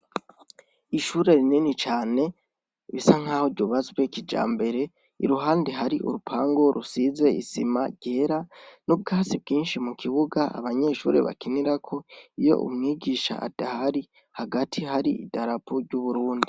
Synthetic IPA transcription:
iʃuɾe̞ɾininit͡ʃaːne̞ | βisaŋ̥haːhoɾɟoβazɡwekid͡ʒa̰ːmbe̞ɾe̞ | ḭɾuɦaːndeɦaɾiʔṵɾupʰaːŋɡo̞ɾʔusize̞ḭsimaɟ̥eːɾanub̚ɡaːsib̚ɡiːnʃimukʰiβuɡaa̰βaɲe̞ʃṵːɾe̞̰βa̰kiniɾakʰo̞ijo̞̰ʔṵmŋiːɡiʃa̰a̰d̥ahaɾi | haɡatʰihaɾiidaɾapuɾɟuβuɾuːndi

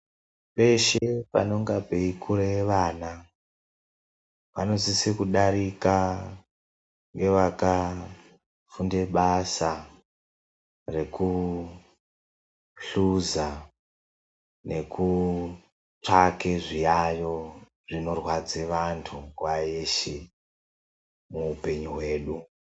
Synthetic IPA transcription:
pe̞ʃepa̰no̞ŋɡapeikuɾeʋaːna | pano̞zisekuɗaɾika | ŋɡe̞ʋaka | funde̞ɓasa | re̞ku | ɬuza | ne̞ku | t͡ʂakeʐijajo̞ | ʐ̥ino̞rwad͡zeʋantʰukwajeʃe | muːpe̞ɲuɦwe̞ːɗu

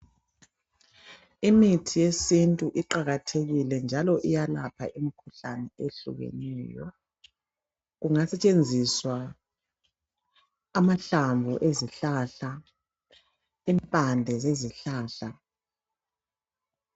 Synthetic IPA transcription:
imitʰijesintʼuʔiǃaɣatʰeɣilɛnd͡ʒʱalɔʔijalapʰa̰ʔimikʰuɬanɛeɬṵɣḛniːjɔ̰ | ɣuŋasɛt͡ʃʼend͡zʱiswa | maɬaɱvʱɔ̰ʔeziɬaɬa | impʼandʱɛzeziɬaːɬa

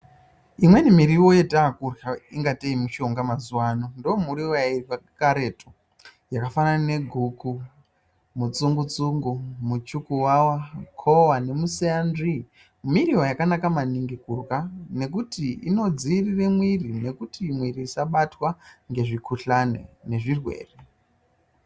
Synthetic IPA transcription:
imwe̞nimiɾiwo̞jetaːkuraiŋɡateimuʃo̞ŋɡamazuwaːnondomuɾiwojairkakaɾe̞tʰo | jakafanane̞ɡʱuku | mut͡suŋɡut͡suŋɡumut͡ʃukuwawakʰo̞wane̞museandi | miɾiwojakanakamaniŋɡikurkane̞k̬utiino̞d͡ziriremwirine̞kutimwiɾiːsaɓatwaŋɡe̞ʐikʰuɬanḛne̞ʐirwe̞̰ːre

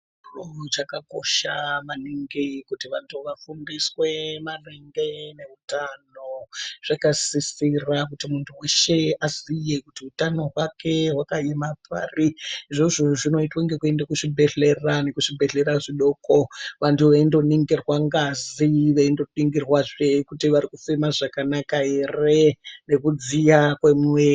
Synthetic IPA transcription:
rot͡ʃakako̞̰ʃamaniŋɡikutiʋantʰuʋafundiswe̞mareŋɡe̞ne̞utanoʐ̥akasisirakutimuntʰuwe̞ʃe̞azijekutiutano̞ɦwakʰe̞wakajemapʰa̰ːriiʐoʐoʐino̞itwaŋɡekue̞ndakuʂibʱe̞ɮe̞rane̞kuʂibʱeɮe̞ɾaʐiɗo̞koʋantʰuʋaindo̞niŋɡirwaŋɡaziʋeindo̞ɗiŋɡirwaʐekutiʋaɾikufemaʐakanakae̞rene̞kud͡zijakwemwe

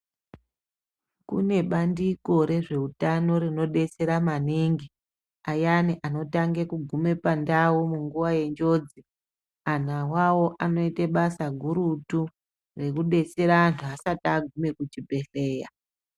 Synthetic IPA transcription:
kṵne̞ɓandiko̞ɾe̞ʐe̞utano̞ɾino̞ɗe̞se̞ɾamaniŋɡi | ajaniʔano̞taŋɡekuɡʱume̞pandaumuŋɡuʋaje̞nd͡ʒo̞ːd͡zi | an̤awawo̞ʔano̞iteɓasaɡʱuɾutu | re̞kuɗe̞se̞ɾaːntʰuasataɡʱume̞kut͡ʃibʱe̞ɬe̞ːja

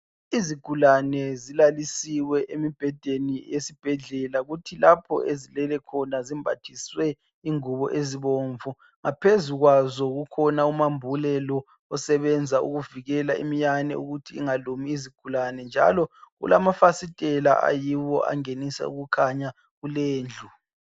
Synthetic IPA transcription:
iziɡ̥ʱulanɛzilalisiwɛʔemib̥ʱɛd̥ʱenijesib̥ʱɛɮɛlaɣutʰilapʰɔ̰ʔezilɛlɛkʰɔnazimbʱatʰiswɛ | iŋuβɔʔeziβoɱvu | ŋapʰezuɣwazɔɣukʰɔnaumambʱulɛlɔ | ɔsɛβɛnd͡zʱaṵɣuviɣɛlaḭmijanɛ̰ṵɣutʰiːŋalumiːziɡ̥ʱulanɛnd͡ʒʱa̰lɔɣṵlamafasitʼɛla̰ʔa̰jiwɔ̰ʔa̰ŋenisɛ̰ṵɣukʰaɲa | ɣuleːnd͡ɮʱu

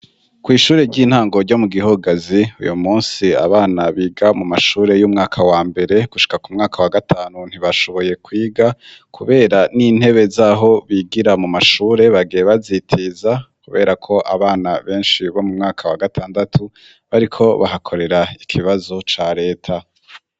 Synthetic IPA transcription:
kwiːʃuːɾe̞ɾɟiːn̥haːŋɡo̞ɾɟo̞muɡiɦoɡaziṵjumuːnsia̰βaːnaβiːɡamumaʃuːɾe̞juːmŋaːkʰawaːmbe̞ɾe̞ɡ̥uʃi̥kakumŋaːkʰawaɡatʰaːnun̥hiβaʃo̞βo̞je̞kwiːɡakʰuβe̞ːɾanin̥he̞βe̞zaːɦo̞βiɡiɾamumaʃuːɾe̞βaɡieβazitʰizakuβe̞ːɾakʰo̞ʔa̰βaːnaβe̞ːnʃiβo̞mumŋaːkʰawaɡatʰaːndatʰu | βaɾikʰo̞βa̰ɦakʰo̞ɾe̞ɾaikʰiβazo̞t͡ʃaɾe̞ːtʰa

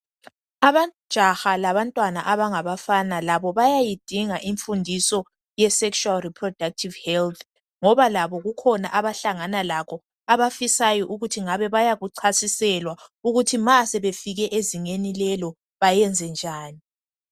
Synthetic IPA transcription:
aβad̥ʒ̥ʱaxalaβantʼwanaʔaβaŋaβafanalaβɔβajajid̥ʱiŋaʔiɱfundʱisɔ | jɛsɛkʃualripʰrɔd̥ak̚tʰivhɛlt̪ʰ | ŋɔβalaβɔɣukʰɔna̰ʔaβaɬaŋanalaɣɔ | aβafisajɔʔuɣutʰiŋaβɛβajaɣuǀʰasisɛlwauɣutʰimasɛβefiɣɛʔeziŋenilɛlɔ | βajɛnd͡zʱɛnd͡ʒʱaːni

